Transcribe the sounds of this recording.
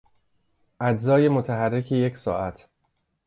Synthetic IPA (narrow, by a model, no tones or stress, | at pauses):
ʔæd͡ʒzɒːjemot̪ʰæɦærːecʰeje̞cʰsɒːʔæt̪ʰ